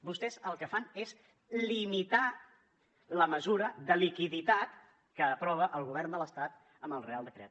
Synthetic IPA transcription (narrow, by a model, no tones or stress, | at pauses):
bust̪ɛzəlˠkəfanez | limit̪a | ləməzuɾəðəlikiðit̪at̪ | kəːpɾɔβ̞əʔəlˠɣuβ̞ɛrnd̪ələst̪at̪ | əməlˠrealˠd̪əkɾɛ̰t̪